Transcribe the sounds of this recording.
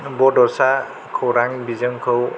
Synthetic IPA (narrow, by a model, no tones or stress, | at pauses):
bɔdɔsa | kʰowɾaŋbizɯŋkʰɯw